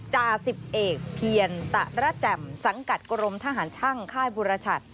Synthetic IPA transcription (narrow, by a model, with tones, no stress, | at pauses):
t͡ɕaː˧si˨˩p̚ʔeː˨˩k̚pʰi˧ənt̪a˨˧˩ɾa˦˥t͡ɕɛ˨˩msa˩˦ŋka˨˩t̪̚kɾo˧mt̪ʰa˧˥ɦaː˩˦nt͡ɕʰa˥˩ŋkʰaː˥˩jbuː˧ɾa˧t͡ɕʰa˨˩t̪̚